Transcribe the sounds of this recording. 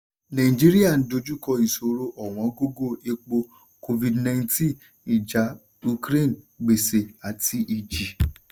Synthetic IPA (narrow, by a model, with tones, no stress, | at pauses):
nã˨ĩ˨d͡ʒi˦ɾi˦a˦˨n̩˦do˧˦d͡ʒu˦kɔ˧i˨so˨ɾo˦ʔɔ˨w̃ɔ̃˨˦ɡo˦ɡo˦˨e˧k͡po˧ | ko˧vi˨dnã˧˦tĩ˦˨ | i˨d͡ʒa˨˦ | u˧kɾe˦˨n | ɡ͡be˨se˨a˨tʰi˦ʔi˧d͡ʒi˨